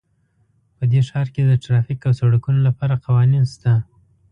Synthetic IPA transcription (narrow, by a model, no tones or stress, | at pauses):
pəd̪eʃɑɾked̪əʈɾɑfikawsaɽakunolapɑɾaqawɑninst̪a